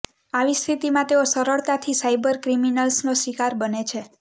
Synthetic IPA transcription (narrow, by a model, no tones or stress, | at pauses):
aʋist̪ʰit̪imãt̪eosəɾəɭt̪at̪ʰisajbəɾkɾiminəlsnosʋikaɾbənet͡ʃʰe